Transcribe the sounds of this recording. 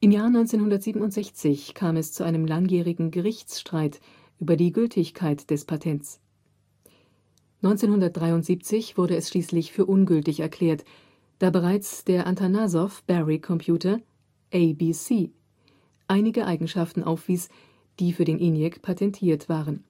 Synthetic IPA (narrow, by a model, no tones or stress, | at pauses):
ʔɪmjaːɐnɔʏnt͡seːnhʊndɐtz̥iːbm̩n̩ʊntz̥ɛçt͡sɪçkʰaːmɛst͡suʔaɪnəmlaŋjiːʁɪɡŋ̩ɡəʁɪçt͡sʃtʁ̥aɪt | ʔyːbɐdiːɡʏltʰɪçkʰaɪtd̥ɛspʰatʰɛnt͡s | nɔʏnt͡seːnhʊndɐt̚d̥ʁaɪʊntz̥iːp̚t͡sɪçv̥ʊɐɾəɛsʃliːslɪçfyːɐʔʊnɡʏltɪçɛɐkʰl̥ɛːɐt | d̥aːbəʁ̞aɪt͡sd̥eːɐʔantʰanazɔfb̥ɛʁikʰɔmpʰj̥uːtɐ | ʔeɪbiːsiː | ʔaɪnɪɡəʔaɪɡŋ̩ʃaftn̩ʔaʊfv̥iːs | d̥iːfyːɐɾeːnʔɪnjɛkpʰatʰɛntʰiːɐtv̥aːʁən